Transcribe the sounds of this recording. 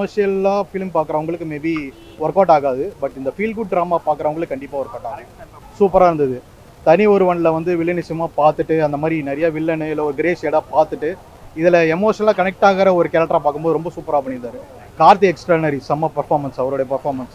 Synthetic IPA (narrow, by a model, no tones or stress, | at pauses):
moːʂɪjɐlãːfɪlmpaːkɯɾɐʋɐŋɡɐɭɯkːɯmeːbi | ʋɔɾkaːʈaːɣaːðɯbɐʈːɪnd̪ɐfiːlɡʊʈ̚ɖɾaːmaːpaːkɯɾɐʋɐŋɡɐɭɯkːɯkːɐɳɖɪpːaːɔɾkːaːʈːaːɐ | suːpɐɾaːɪɾɯnd̪ɐðɯ | t̪ɐnɪɔɾɯʋɐɳlɐʋɐnd̪ɯʋɪɭːɐnɪt͡ʃɐjɐmaːpaːɾt̪ːɯʈːɯɐnd̪ɐmaːd̪ɾinɛɾɐjaːʋɪɭːɐnɯɪlːɐɔɾɯɡɪɾeːseːɽaːpaːɾt̪ɯʈːɯ | ɪðɪlɐɛmoːʂnɐlaːkɐnɛk̚ʈaːɣɐɾɐɔɾɯkɛːɾɐk̚ʈːɐɾaːpaːkːɯmboːðɯɾɔmbɐsuːpɐɾaːɐpɐɳɪɾnaːɾɯ | kaːɾt̪iɛksʈɐɾnɐɾisɐmːɐpɐɾfaːɾmɐnsɐʋɐɾoːɽɐjɐpɐɾfaːɾmɐns